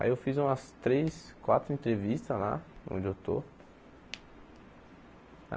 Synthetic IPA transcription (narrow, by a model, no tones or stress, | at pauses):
a̰iewfizũmɐst̪ɾejskwat̪ɾʊẽnt̪ɾevist̪ɐla̰õ̰d͡ʒɪewt̪o̰